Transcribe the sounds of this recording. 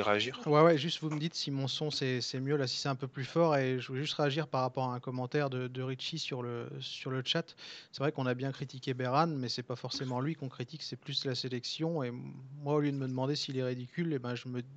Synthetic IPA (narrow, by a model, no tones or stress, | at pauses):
ʁeaʒiʁwɛwɛʒyst̪vuməd̪it̪simɔ̃sɔ̃sɛsɛmjølasi̥sɛt̪ɛ̃pøplyfɔʁeʒəvɛʒyst̪ʁeaʒiʁpaʁːapɔʁaɛ̃kɔmɑ̃t̪ɛʁd̪əd̪əʁiʃisyʁləsyʁlət͡ʃat̪sɛvʁɛkɔ̃nabjɛ̃kχit̪ikʲebɛʁanmɛsɛpafɔʁsemɑ̃lɥikɔ̃kχit̪iksɛplyslaselɛksjɔ̃emwaoljød̪əməd̪əmɑ̃d̪esiːlɛʁid̪ikʲylebɛ̃ʒəmə